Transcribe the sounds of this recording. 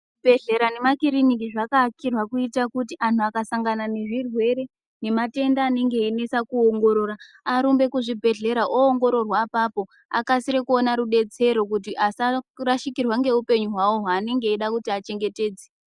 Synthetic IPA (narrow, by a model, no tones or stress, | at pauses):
bʱe̞ɮe̞ɾane̞makiɾinik̬iʐakakirwakuitakutiʔanʰuakasaŋɡanane̞ʐirwe̞ɾe̞ | ne̞mate̞ndaːne̞ŋɡe̞ine̞sakuoŋɡo̞ɾo̞ːɾa | aɾumbe̞kuʐibʱe̞ɮe̞ɾaʔoːŋɡo̞ɾo̞rwapapo̞ | a̰kasiɾekuonaɾuɗe̞t͡se̞ɾo̞k̬utiʔasaraʃikirwaŋɡe̞upe̞ɲuɦwawoɦaːne̞ŋɡe̞iɗakutiat͡ʃe̞ŋɡe̞te̞ːd͡ze